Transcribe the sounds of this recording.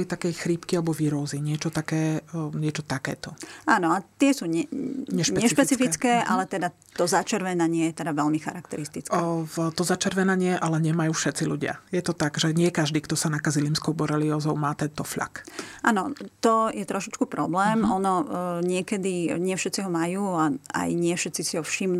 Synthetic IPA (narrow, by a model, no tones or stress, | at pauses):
lit̪akɛjxɾiːpkialɛbɔʋiːɾɔziɲɪɛt͡ʃɔt̪akɛːɲɪɛt͡ʃɔt̪akɛ̰ːt̪ɔʔaːnɔat̪ɪɛsuːɲɛɲɛʃɲɛʃpɛt͡sifit͡skɛːʔa̰lɛt̪ɛd̪a | t̪ɔzat͡ʃɛɾʋɛnaɲɪɛjɛt̪ɛd̪aʋɛlmixa̰ɾakt̪ɛɾist̪it͡skt̪ɔzat͡ʃɛɾʋɛnaɲɪɛʔalɛɲɛmajuːfʃɛt̪t͡siluɟɪa̰jɛt̪ɔt̪aɡʒɛɲɪɛkaʒd̪iːkt̪ɔsanakaziliːmskɔʊbɔɾɛliɔzɔʊmaːt̪ɛnt̪ɔfʎa̰kʔaːnɔt̪ɔjɛt̪ɾɔʃit͡ʃkupɾɔblɛːmɔnɔɲɪɛkɛd̪iɲɪɛfʃɛt͡siɦɔmajuːaa̰jɲɪɛfʃɛt̪t͡sisiɦɔfʃim